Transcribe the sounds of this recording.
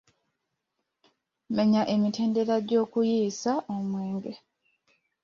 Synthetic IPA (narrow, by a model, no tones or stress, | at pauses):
meɲaʔe̞mite̞ːnde̞ɾaɟo̞ːkujiːsaʔomwe̞ːŋɡe